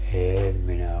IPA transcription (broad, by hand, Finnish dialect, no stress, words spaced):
eːm minæ